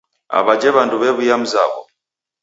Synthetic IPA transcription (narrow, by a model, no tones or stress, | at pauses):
a̰βad͡ʒɛβanduβɛβujam̩za̰βɔ̰